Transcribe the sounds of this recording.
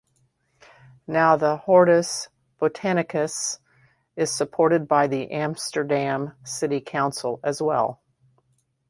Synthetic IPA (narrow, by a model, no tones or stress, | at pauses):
naʊðəhɔɹɾɨs | b̥otʰæñɨkɨs | ɨz̥səpʰɔɹɾɨd̚baɪðiʔæ̃mstə˞dæ̃msɪɾikʰãʊ̃nsl̩ˠɨzwɛ̰lˠ